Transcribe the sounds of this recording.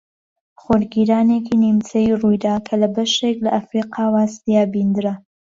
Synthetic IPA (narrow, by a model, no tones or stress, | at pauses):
χoɾɡiɾaːnekiːnimt͡sɐjirujd̪aːkʰɐlɐbɐʃeklɐʔɐfɾiːqɑːwaːst̪ijaːbind̪ɨɾa